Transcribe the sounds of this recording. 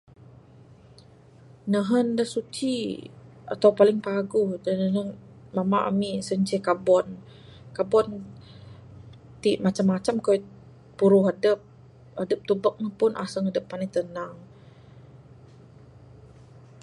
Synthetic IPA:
nəɦəndəhsut͡ʃi | ʔa̰t̪awpalɪŋpaɡʊhdanəɦəŋ | mamaʔa̰misəɲt͡ʃɛkabɔn | kabɔn | t̪iʔmat͡ʃamːat͡ʃamkɔ | puɾʊɦadəp̚ | adəp̚t̪ubək̚nəhpʊnʔa̰səŋadəp̚ːanit̪ənaŋ

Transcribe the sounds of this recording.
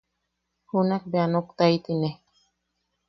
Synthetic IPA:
hunak̚beanokt̪ajt̪ine

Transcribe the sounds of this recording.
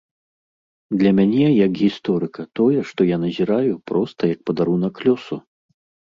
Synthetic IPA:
d̪lʲɐmʲanʲɛjɐkɣʲist̪ɔɾɨkɐt̪ɔjɛʂt̪ɔjanɐzʲiɾajupɾɔst̪ɐjɐk̚pɐd̪aɾunɐkːlʲɔsu

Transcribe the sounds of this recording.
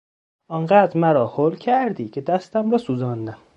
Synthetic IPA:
ʔɒːnɢæːd̪ɾmæɾɒːhoːlcʰæɾd̪iːcʰe̞d̪æst̪æmɾɒːsuːzɒːnd̪æm

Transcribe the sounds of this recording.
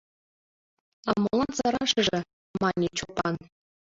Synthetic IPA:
ɑmːolˠɑnzɑɾɑʂɤ̆ʐɘ̆ | mɑnʲːet͡ɕupːɑn

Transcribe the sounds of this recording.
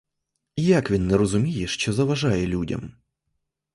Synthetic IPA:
ijakʋʲinːɨɾəzʊmʲijɪʂt͡ɕozɐvɐʐajɛlʲudʲɐ̰m

